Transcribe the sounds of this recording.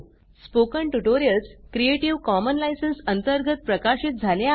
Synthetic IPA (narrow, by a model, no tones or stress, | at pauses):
spokəɳʈuʈoɾijəlskɾieʈiʋkɔmənlajsənsənt̪əɾɡʱət̪̚pɾəkaɕiːt̪̚d͡zʱalja